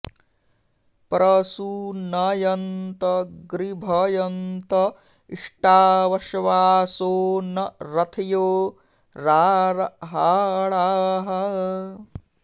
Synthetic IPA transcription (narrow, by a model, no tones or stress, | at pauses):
pɾɐsunɐjɐnt̪ɐɡɾibʱɐjɐnt̪ɐ | iʂʈaːʋɐʃɐʋaːsoːnɐɾɐt̪ʰɐjoː | ɾaːɾɐɦaːɭaːɦɐ